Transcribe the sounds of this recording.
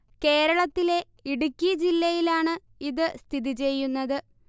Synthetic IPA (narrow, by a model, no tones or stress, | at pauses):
ke̞ːɾɐɭɐt̪ːile̞ | iɽukʲːiɐd͡ʑilːɐjilaːɳɨ | iðɨst̪ʰiðit͡ɕe̞jːunːɐðɨ